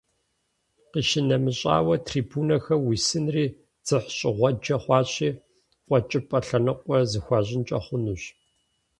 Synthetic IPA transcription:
qiːʃɪnɐmɨɕʼa̰ːwɐtʰriːbuːnɐxɐwisɨnriː | d͡z̥ɨħɕʼɪʁʷɔd͡ʒɐχʷɑːɕiː | qʷʼɔt͡ʃʼɪpʼɐɬɐnɨqʷʼɔzɨxʷɑːʑɪnt͡ʃʼɐ̰χʷʊnuːɕ

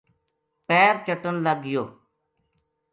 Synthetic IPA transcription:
pɛːɾt͡ʃəʈənləɡɪjoː

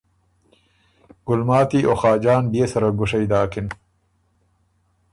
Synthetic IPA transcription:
ɡ̥ʊlmaːt̪iʔoxaːd͡ʒaːnbesɐɾɐɡʊʂɐjd̪aːkin

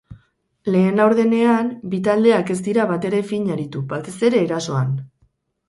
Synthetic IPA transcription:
le̞ːnlawɾðe̞ne̞anbit̪ald̪e̞ake̞zd̪iɾaβat̪e̞ɾe̞fiɲaɾit̪ubat̪e̞se̞ɾe̞ːɾaso̞an

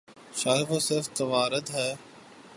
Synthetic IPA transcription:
ʃaːɦɪɣoːsɪɾft̪əʋaːɾəd̪ɦɛː

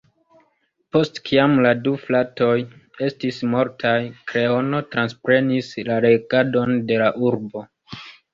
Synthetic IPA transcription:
po̞stkʰiamladuflato̞je̞stismo̞ɾtʰajkɾe̞o̞no̞tɾanspɾe̞nislaɾe̞ɡado̞nde̞laʔuɾbo̞

